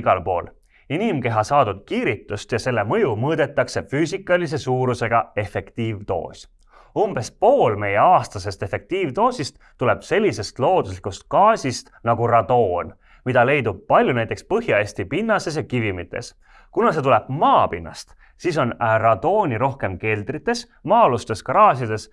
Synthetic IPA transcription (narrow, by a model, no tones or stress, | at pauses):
ɡ̥ɑlpo̞ːl | inimke̞ɦɑsɑːd̪ud̪̥̚kiːɾit̪ːˑust̪jɑse̞lːe̞mɤ̞jumɤːd̪̥e̞t̪ːˑɑkse̞fyːsikːˑɑlis̬e̞suːɾuse̞ɡ̥ɑe̞fe̞kt̪iːvt̪o̞̰ːsʲ | umb̥e̞spoːlme̞je̞ɑːst̪ɑse̞st̪e̞fe̞k̚t̪iːvt̪o̞ːsʲist̪ːule̞b̥se̞lʲːise̞st̪lo̞ːd̪̥uslikust̪̚kɑːsʲist̪nɑɡ̥urɑd̪o̞ːn | mid̪̥ɑle̞jd̪ub̥̚pɑlʲjunæjt̪ekspɤɦjɑesʲt̪ipinːɑse̞s̬jɑkivimit̪ːˑe̞̰s | kunɑse̞t̪ule̞b̥̚mɑːpinːɑ̰st̪ | siso̞nrɑd̪̥o̞ːnʲiɾo̞hke̞mke̞ld̪̥rit̪ːˑe̞s | mɑːlust̪e̞skɑɾɑːsʲjɑd̪e̞s